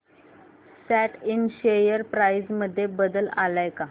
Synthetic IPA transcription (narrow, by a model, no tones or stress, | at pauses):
sæʈʰinɕejəɾpɾaizməd̪ʱːjebəd̪əlalajka